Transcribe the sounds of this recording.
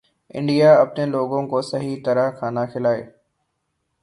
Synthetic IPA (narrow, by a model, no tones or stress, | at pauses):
ɪ̰̃ɳɖijaɐpneloːɡõkosɐɦit̪ɐɾəɦkʰãːnaxɪlaːeː